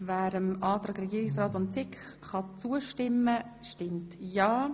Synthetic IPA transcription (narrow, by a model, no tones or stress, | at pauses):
væːɾəmɑːt̪ɾɑːɡɾɛɡiːɪksrɑːtʊntt͡sɪkχ | χɑt͡suəʃtɪmːəʃtɪmtjɑː